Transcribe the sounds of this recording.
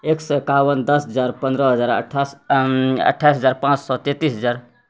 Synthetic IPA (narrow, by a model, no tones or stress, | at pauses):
eksəkawənd̪əsɦəd͡ʒaɾpənd̪ɾəɦəd͡ʒaɾə̰ʈʰas | ə̰ʈʰːaisɦəd͡ʒaɾpãt͡ʃsɔt̪et̪isɦəd͡ʒaɾ